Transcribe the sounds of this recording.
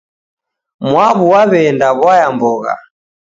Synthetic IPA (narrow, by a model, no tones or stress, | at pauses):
mwaβuwaβɛndaβwajambɔɣa̰